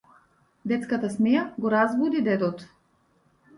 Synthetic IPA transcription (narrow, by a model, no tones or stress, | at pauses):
d̪ɛt̪skat̪asmɛjaɡɔɾazvud̪id̪ɛd̪ɔt̪